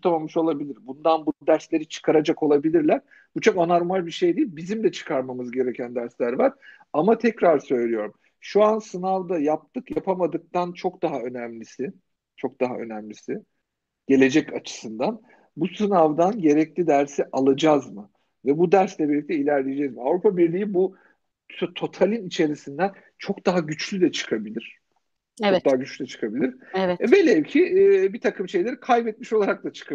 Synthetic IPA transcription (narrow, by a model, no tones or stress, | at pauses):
ut̪ʰamamːɯʃo̞lˠabilʲiɾbund̪anbunud̪æɾslʲe̞ɾit͡ʃʰɯ̥kʰaɾad͡ʒako̞lˠabilʲiɾlʲæɾ̥ | b̥ut͡ʃʰo̞kanaɾmalʲbiʃejd̪iilʲbizimd̪ʲɛt͡ʃʰɯ̥kʰaɾmamɯzɟe̞ɾecʰænd̪æɾslʲæɾvaɾ̥ | amat̪ʰɛcɾaɾsø̞jlʲijo̞ɾum | ʃuansɯnavd̪ajap̚t̪ʰɯkjapʰamad̪ɯk̚t̪ant͡ʃʰo̞kd̪aɦaø̞næmlʲisɪ | t͡ʃʰo̞k̚d̪̥aɦa̰ʔø̞̰næmlʲisɪ | ɟ̥e̞lʲe̞d͡ʒɛcat͡ʃʰɯ̥sɯnd̪an | busɯnavd̪anɟe̞ɾɛclʲid̪æɾsiʔalˠad͡ʒazmɯ | vɛbud̪æɾslʲɛbilʲict̪ʰɛilʲæɾlʲeed͡ʒɛzmiavɾupʰabiɾlʲijibu | t̪ʰo̞t̪ʰalʲinit͡ʃʰe̞ɾisind̪æn | t͡ʃʰo̞kd̪aɦaɟyt͡ʃlʲyd̪ɛt͡ʃʰɯ̥kʰabilʲiɾ̥ | t͡ʃʰokd̪aɦaɟyt͡ʃlʲyd̪ɛt͡ʃʰɯ̥kʰabilʲiɾ̥velʲecʰibit̪ʰakʰɯmʃe̞jlʲɛɾikʰajbɛt̪̚miʃo̞lˠaɾak̚t̪ˠat͡ʃʰɯ̥kʰa